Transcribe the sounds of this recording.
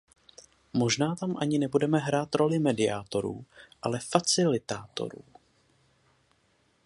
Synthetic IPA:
mo̞ʒnaːt̪amʔaɲɪnɛbudɛmɛɦɾaːt̪ɾo̞lɪmɛdɪaːt̪o̞ɾṵːʔalɛfat͡sɪlɪt̪aːt̪o̞̰ɾuː

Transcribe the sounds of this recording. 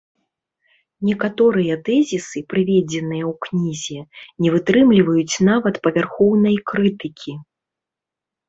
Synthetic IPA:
nʲɛkat̪ɔɾɨjɐt̪ɛzʲisɨpɾɨvʲɛd͡zʲɛnɨjɐwknʲizʲɛnʲɛvɨt̪ɾɨmlʲivɐjut͡sʲnavɐt̪pɐvʲarxɔwnɐjkɾɨt̪ɨkʲʰi

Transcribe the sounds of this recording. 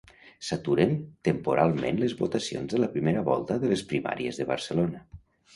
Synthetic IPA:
sat̪uɾent̪əmpuɾʔalˠmḛ̃nləzβot̪asio̰nzðələpɾimeɾəβɔlˠt̪əðələspɾima̰ɾiəzðəβə̰ɾsəlonə

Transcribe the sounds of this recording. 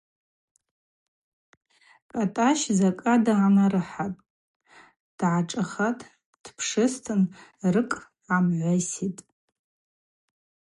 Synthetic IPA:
kʼatʼaʃzakʼadaʕanaɾɨħatʼ | d̥ʕaʈ͡ʂʼaχatʼ | d̥pʰʂɨstʰɨnrɨkʼ | amʕʷasitʼ

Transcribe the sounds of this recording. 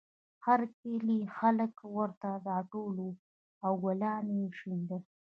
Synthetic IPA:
haɾkelixaləkwəɾt̪ad̪ɑʈolo | awɡalɑneʃind̪ə

